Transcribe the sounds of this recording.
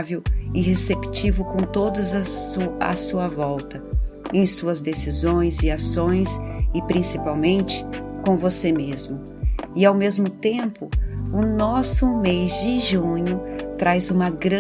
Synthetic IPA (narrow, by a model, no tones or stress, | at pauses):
vewɪɦesept͡ʃivʊkõw̃t̪od̪ɐzɐuɐ̰suɐvɔwt̪ɐẽj̃suɐzd̪esizõj̃zɪasõj̃sɪpɾĩsipawmẽnt͡ʃɪ̥kõvosemezmʊ | ɪawmezmʊt̪ẽmpʊʊnɔsʊmejzd͡ʒɪʒũɲʊt̪ɾʔajzũmɐɡɾɐ̃